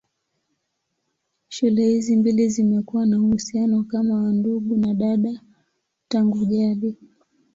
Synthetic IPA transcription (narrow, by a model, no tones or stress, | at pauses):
ʃulɛhizimbilizimɛkuwanauhusianɔkamawanduɡunaɗaɗa | taŋɡuʄaɗi